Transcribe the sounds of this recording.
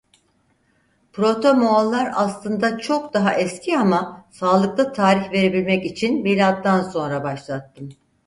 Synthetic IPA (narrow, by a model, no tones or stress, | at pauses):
pʰɾo̞t̪ʰo̞moalˠːaɾaslˠɯnd̪at͡ʃʰo̞k̚d̪aɦaʔɛscʰiamasaːlˠɯk̚t̪ˠat̪ʰaːɾiçve̞ɾe̞bilʲmɛcit͡ʃʰinmiːlʲat̪ːanso̞nɾabaʃlˠat̪ːɯm